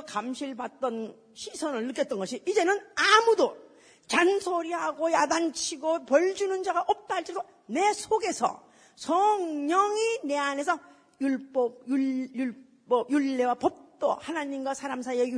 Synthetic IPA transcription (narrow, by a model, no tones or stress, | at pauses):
kamɕʰiɭbat̚t͈ʌn | ɕʰisʰʌnɯɭːɯk͈ʌt̚t͈ʌnɡʌɕʰiːd͡ʑe̞nɯnamudo | t͡ɕansʰoɾiɦaɡojadaŋt͡ɕʰiɡopʌɭd͡ʑunɯnd͡ʑaɡaʔʌp̚t͈aɦaɭt͡ɕ͈do | ne̞sʰoɡe̞sʰʌ̰ | sʰʌŋɲʌŋine̞ane̞sʰʌ | juɭp͈ʌb̚juuɭ | pʌbjuɭːe̞wapʌp̚t͈ohanaɲimɡwasʰaɾamsʰaieju